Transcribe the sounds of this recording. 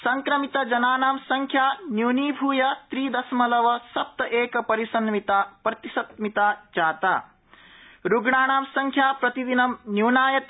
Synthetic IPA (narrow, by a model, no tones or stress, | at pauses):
sɐŋkɾɐmit̪ɐd͡ʒɐnaːnaːmsɐŋkʰjaːnjuniːbʱuːjɐt̪ɾiːd̪ɐsmɐlɐʋɐsɐp̚t̪ɐʔeːkɐpɐɾisɐnmit̪aːpɾɐt̪isɐt̪mit̪aːd͡ʒaːt̪a̰ː | ɾuɡɳaːɳaːmsɐŋkʰjaːpɾɐt̪id̪inɐmnjuwnaːjɐt̪